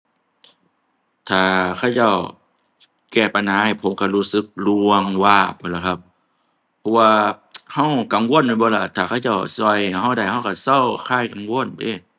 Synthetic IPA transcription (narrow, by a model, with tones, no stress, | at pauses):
t̪ʰaː˨˩kʰa˧˩˨wt͡ɕa˧˩˨w | kɛː˧˩pa˧˨nhaː˨˦ha˧˩jpʰo˨˦mka˧˩luː˧˩sɯ˧˦k̚lu˧ə˧ŋwaː˧˩bɔː˧˦la˧˩kʰa˧˥p̚ʰː | ɔ˧waː˧ha˧˥˩wka˨˦mwo˧˥˨na˧˦bɔː˧˦la˧˩t̪ʰaː˨˩kʰa˧˩˨t͡ɕa˧˥˩wsɔː˧˩jha˨˩˨ɦa˧˥˨wda˧˩jha˧˩˨wka˧˩sa˧˥˨wkʰaː˧˩˨jka˨mwo˧˥˨ə˨nteː˧˩